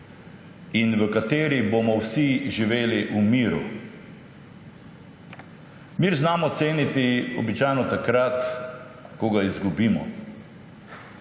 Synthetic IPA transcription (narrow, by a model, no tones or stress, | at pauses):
inʋəkat̪eːɾibomɔwsiʒiʋeːliʔumiːɾṵ | miɾznaːmɔt̪seːnit̪iɔ̰bit͡ʃajnɔt̪akɾat̪ | kɔɡaizɡubiːmɔ̰